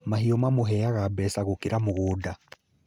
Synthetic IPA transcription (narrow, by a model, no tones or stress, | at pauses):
maɦiɔmamoɦɛjaɣabɛsaɣokiɾamoɣoːda